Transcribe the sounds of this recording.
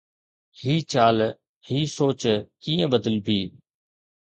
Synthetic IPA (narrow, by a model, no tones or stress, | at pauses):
hiːt͡ɕaːl | hiːsoːt͡ɕkiːə̃ɓəd̪əlbʱiː